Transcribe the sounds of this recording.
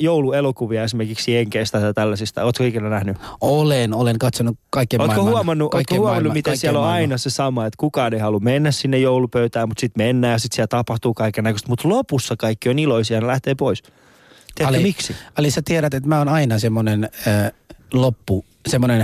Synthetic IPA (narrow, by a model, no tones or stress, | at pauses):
jouluelokuʋiɑesimerkiksiheŋkest̪æt̪ɑt̪ælːæsist̪æoːt̪koikelːænæhnyolenoleŋkɑt̪sonukɑikːioːt̪kohuɑmɑnːuʔooːkohuɑmɑnːummit̪æsiæloɑinɑsesɑmɑet̪kukɑːneihɑlummenːæssinːejoulupøyt̪æːmut̪sit̪menːæːjɑsit̪siælt̪ɑpɑht̪uːkɑikːenːækøst̪mut̪lopusːɑkɑikːioniloisiɑnelæht̪eːpois | t̪iækmiksiɑlisæt̪ieɾæt̪et̪mæːonɑinɑsemːonenəːlopːu | semːonen